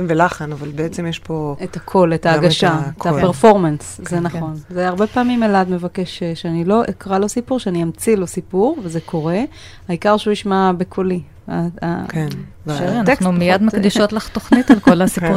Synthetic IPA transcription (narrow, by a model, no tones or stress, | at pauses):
mvelaχanavalbeet͡semjeʃpo̞etakʰo̞letaːɡaʃaektapeʁfo̞ʁmanszenaχo̞nzeaʁbe̞paːmimelad̪mevake̞ʃeʃeanilo̞ʔekʁalo̞sipuʁʃeaniamt͡silo̞sipuʁvezekʰo̞ʁe̞ | aikaʁʃeuiʃmabekʰoli | a̰a̰kenneumijad̪makd̪iʃotlaχt̪oχnitalkolasiu